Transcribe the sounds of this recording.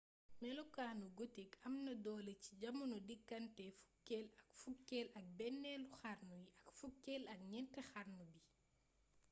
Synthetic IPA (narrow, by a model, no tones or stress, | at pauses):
mɛlɔkaːnuɡotikɐmnɐdɔːleci̥ɟɐmunodikːɐntɛfu̥kːɛlɐkfukːɛlɐk̚bɛnːɛluxaɾnujiɐkfukːelɐk̚ɲɛntɛxaɾnubi